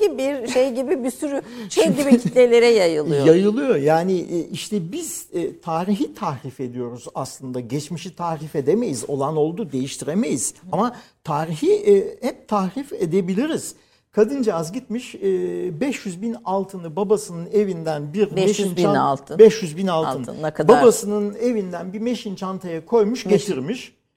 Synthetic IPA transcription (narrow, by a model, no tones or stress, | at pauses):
ibiɾʃejɟibibisyɾyʃejɟibiit̪lʲelʲe̞ɾɛjajɯlˠɯjjajɯlˠɯjo̞jaːniʔiʃt̪ʰɛbiz̥t̪ʰaːɾiɦit̪ʰahɾife̞d̪ijo̞ɾuzaslˠɯnd̪aɟɛt͡ʃmiʃit̪ʰaːhɾife̞d̪eme̞jizo̞̰lˠano̞lˠd̪ud̪ejiʃt̪ʰiɾeme̞jiz̥amat̪ʰaːɾiçihɛp̚t̪ʰahɾife̞d̪e̞bilʲiɾiz̥ | kʰad̪ɯnd͡ʒaazɟit̪miʃɛbɛʃjyzbinalˠt̪ʰɯnɯbabasɯnɯne̞vind̪ænbiɾeʃint͡ʃalˠt̪ʰbɛʃjyzbinalˠʰɯnbabasɯnɯne̞vind̪ænbiɾmeʃint͡ʃʰant̪ʰajakʰo̞jmuʃɟe̞t̪ʰiɾmiʃ